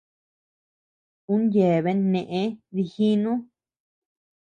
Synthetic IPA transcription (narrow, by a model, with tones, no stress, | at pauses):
ũ˦nje˨βe˧˦nẽ˨ʔẽ˧˦ði˧hi˦nũ˦